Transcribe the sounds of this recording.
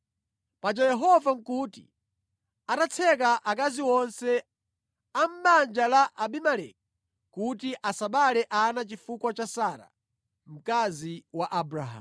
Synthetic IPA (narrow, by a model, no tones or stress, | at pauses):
pad͡ʒajɛɦɔvam̩kuːtḭ | anat͡sʰɛkaʔakaziwɔnsɛ | am̩ɓand͡ʒalaʔaɓimalɛ̰k̚ | kutiʔasaɓalɛʔanat͡ʃifukwat͡ʃasaːɾa̰ | m̩kaziwaʔabɾaɦa̰ːm